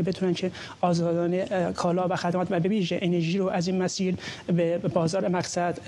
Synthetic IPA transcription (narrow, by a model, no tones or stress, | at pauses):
bet̪ʰuːnænkʰe | ɒːzɒːd̪ɒːnekʰɒːlɒːvæxæd̪mɒːt̪væbeviːʒeʔeneɾʒiːɾoʔæziːnmæsiːɾbebɒːzɒːɾemæqsæd̪̥